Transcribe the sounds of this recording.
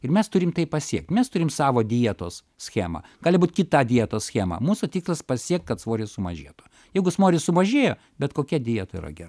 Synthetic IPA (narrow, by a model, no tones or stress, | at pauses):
ɪrmʲɛst̪ʊɾʲɪmt̪ɐɪpɐsʲiɛk̚t̪ʲmʲɛst̪ʊɾʲɪmsɑːʋoːd̪ʲiɛt̪oːs | sʲxʲæːmɑ̰ɡ̥ɑːlʲɪbuːt̪ʲkʲɪt̪ɑd̪ʲiɛt̪oːssʲxʲæːmɑ̰muːsʊt̪ʲiːkslˠɐspɐsʲiɛk̚t̪kɐt̪sʋoːɾʲɪsʊmɐ̰ʒʲḭːt̪ʊ | jɛɪɡʊsmoːɾʲɪsʊmɐʒʲeːjoː | bʲɛt̪koːkʲɛd̪ʲijɛt̪ɐḭrɐ̰ɡʲɛrɐ